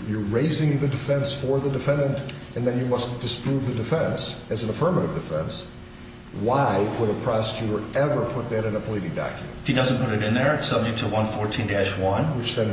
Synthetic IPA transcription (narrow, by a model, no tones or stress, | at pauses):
ə˞ɹeɪzɪ̃ŋðɨdɨfɛ̃nsfə˞ðɨdɨfɛ̃ndɨ̃ntʔɨ̃nðɨ̃njɨmʌsd̥ɨspʰɹ̥uvðɨdɨfɛ̃nsɨz̃n̩əfɜ̃˞məɾɨvdɨfɛ̰̃ns | waɪwəɾəpʰɹ̥ɑsə̥kʰj̥ʉɾə˞ɛvə˞pʰʊt̪̚ðɨɾɨ̃nɨpʰəliɾɪ̃ŋdɑ̰kʰjmɨ̰̃nɪfidʌz̃npʊɾɨɾɨ̃nðə˞ɨtsʌb̚d͡ʒɨk̚tʰəwʌ̃nfɔɹtʰĩndæʃwʌ̃nwɨt͡ʃðɨ̃n